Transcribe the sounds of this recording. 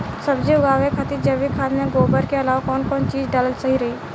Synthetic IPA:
sɐbd͡ʒiʊɡaːʋekʰɐt̪id͡ʒɐʋikʰaːd̪mẽɡoːbəɾkeɐlaːʋakɔːnkɔːnt͡ʃiːd͡ʒɖaːləlsɐɦiɾɐɦiː

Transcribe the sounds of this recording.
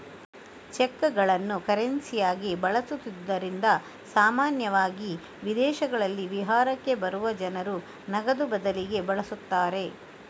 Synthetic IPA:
t͡ʃekːɡɐɭɐnːukɐɾensijaːɡibɐɭɐsut̪ːid̪ːɐɾind̪ɐ | saːmaːnjɐʋaːɡi | ʋid̪ɛːʃɐɡɐɭɐlːiʋiɦaːɾɐkːe̞bɐɾuʋɐd͡ʒɐnɐɾu | nɐɡɐd̪ubɐd̪ɐliɡe̞bɐɭɐsut̪ːaːɾe̞

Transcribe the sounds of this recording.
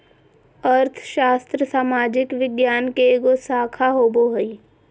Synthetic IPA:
əɾt̪ʰʃaːst̪ɾəsaːmaːd͡ʒɪkʋɪɡjaːnkeːɡosaːkʰaɦoːboɦəi

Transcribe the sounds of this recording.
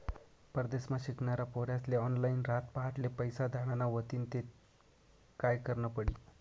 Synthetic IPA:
pəɾd̪esmaɕikɳaɾapoɾjasleɔnlainɾat̪paɦaʈlepəjsad̪ʱaɽ̃anaʋət̪iːnt̪e | kajkəɾnəpəɽiː

